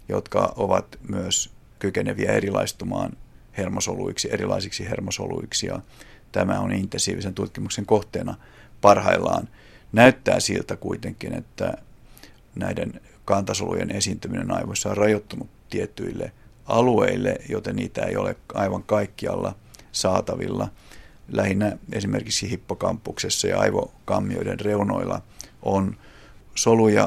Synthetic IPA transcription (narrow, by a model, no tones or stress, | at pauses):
jot̪kɑʔoʋɑt̪myøs | kykeneʋiæerilɑist̪umɑːn | hermosoluiksierilɑisiksihermosoluiksijɑt̪æmæonint̪ːˑensiːʋisent̪ut̪kimukseŋkoht̪eːnɑ | pɑrhɑilːɑːn | næyt̪ːæːsilt̪ækuit̪eŋkinet̪ːæ | næiden | kɑnt̪ɑsolṵjḛnesiːnt̪yminenɑiʋosːɑorrɑjot̪ːunut̪t̪ːiet̪ːyilːe | ɑlueilːejoit̪enniːt̪æeijo̰leɑiʋɑŋkɑikːiɑlːɑsɑːt̪ɑʋḭlːɑlæhinːæesimerkiksihipːokɑmpːuksesːɑjɑɑiʋokɑmːioidenreuno̰ilːɑon | solujɑ